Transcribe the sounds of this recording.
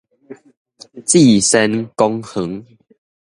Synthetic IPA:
t͡si˥˨sɛ˦nkɔ˦ŋhə˨˦ŋ

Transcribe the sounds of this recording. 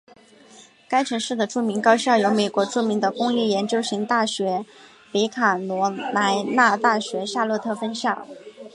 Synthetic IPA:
ka˥ɪʈ͡ʂʰɤ˧˥ŋʂɻ̩˥˩d̪ə˩ʈ͡ʂu˥˩mi˧˥ŋkɑ˥ʊɕɑ˥˩ʊjo˧˥ʊme˨˩ɪkwɔ˧˥ʈ͡ʂu˥˩mi˧˥ŋd̪ə˧kʊ˥ŋjɛ˥˩jɛ˧˥nt͡ɕjo˥ʊɕi˧˥ŋt̪a˥˩ɕɥɛ˧˥ | pe˧˥ɪkʰa˨˩nwɔ˧˥na˧˥ɪna˥˧t̪a˥˩ɕɥɛ˧˥ɕja˥˧lɤ˥˧t̪ʰɤ˥˩fə˥nɕjɑ˥˩ʊ

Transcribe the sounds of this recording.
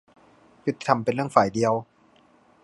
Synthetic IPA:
pʰɾt̪ːi̥˧t̪ʰa˧mpe˧nɾɯ˥˩əŋfaː˨˩jdi˧əw

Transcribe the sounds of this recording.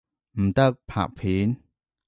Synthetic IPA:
m̩˨˩t̪ə˦˧˨k̚pʰa̰˨ʔ̚pʰi˨˦n

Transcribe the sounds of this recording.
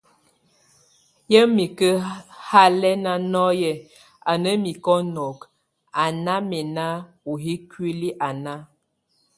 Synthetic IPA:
jə˦mi˨kə˦ha˦lɛ˦na˦nɔ˦jɛ˨ | a˨nə˦mi˨kɔ˦nɔ˨k | a˨na˦mɛ˨na˦ | u˨ɦi˦kwi˦li˦ʔa˨na˦

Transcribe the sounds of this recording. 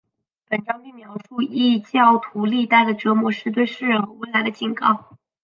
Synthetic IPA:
pə˨˩nʈ͡ʂɑ˥ŋpi˥˩ŋmjɑ˧˥ʊʂu˥˧i˥˧t͡ɕjɑ˥˩ʊt̪ʰu˧˥li˥˧t̪a˥˩ɪd̪ə˩ʈ͡ʂɤ˧˥mwɔ˧˥ʂɻ̩˥˧t̪̬we˥˧ɪʂɻ̩˥˩ɻə˧˥ŋ˧˩we˥˩ɪla˧˥ɪd̪ə˧˩t͡ɕʰi˨˩nkɑ˥˩ʊ

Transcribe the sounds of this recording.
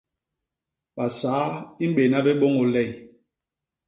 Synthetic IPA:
ɓa˨saː˨˦i˦m̩˦ɓe˨na˦bɛ˦ɓo˦ŋo˨lɛ˦˨j

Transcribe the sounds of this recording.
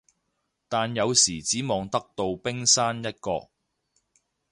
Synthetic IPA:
t̪aː˨njɐ˨˧wsiː˨˩t͡siː˨˥mɔː˨˧ŋt̪ɐ˥k̚t̪o˧wpɪ˥ŋsaː˥njɐ˥t̚kɔː˧k̚

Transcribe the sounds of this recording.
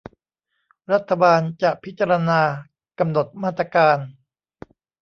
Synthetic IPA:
ɾa˦˥t̪ʰːa˧baː˧nt͡ɕa˨˩ʔpʰi˦˥t̪̚t͡ɕːa˧ɾa˧naː˧ | ka˧mno˨˩t̪̚maː˥˩t̪ɾa˧kaː˧n

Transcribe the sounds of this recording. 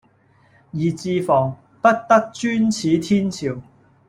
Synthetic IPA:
jiː˨˩t͡siː˧fɔː˨˩ŋ | pɐ˥t̚t̪ɐ˥k̚t͡ʃyː˥nt͡sʰiː˨˥t̪ʰiː˥nt͡sʰiː˨w

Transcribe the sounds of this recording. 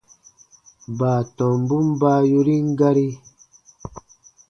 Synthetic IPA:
baː˨tɔ̃˨mbu˦mba˦ju˧ɾi˦ŋ˦ɡa˦ɾi˦

